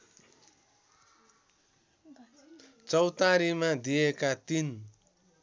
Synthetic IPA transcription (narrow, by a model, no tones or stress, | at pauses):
t͡sʌwt̪aɾimad̪ijekat̪in